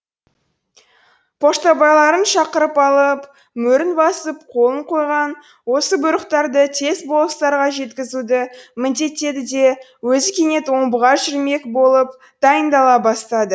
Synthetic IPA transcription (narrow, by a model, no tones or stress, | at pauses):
pʰo̞ʃt̪ɑbɑjlˠɑɾənʃɑqəɾəpɑlˠəp | mɵɾɪnbɑsəp̚qʰo̞lˠəɴqʰo̞jʁɑn | wo̞səbʊɾəqt̪ɑɾd̪ət̪ʰe̞sbo̞lˠəst̪ɑɾʁɑʒe̞t̪kʲɪzud̪ɪmɪnd̪e̞t̪e̞d̪ɪd̪e̞wɵzɪkʲe̞ne̞t̪wo̞ɴbəʁɑʒʏɾme̞kbo̞lˠəp | d̪̥ɑjənd̪ɑlˠɑbɑst̪ɑd̪ə